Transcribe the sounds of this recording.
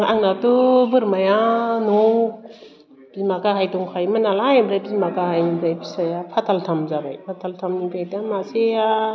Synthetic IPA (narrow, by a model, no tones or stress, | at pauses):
aŋnatubɯɾmajanow | b̥izmakaɦajtuŋkʰajmanalajbɾajbizmakahajniɾajbisajapʰatʰaltʰamzaba̰jpʰatʰaltʰamnipatamasea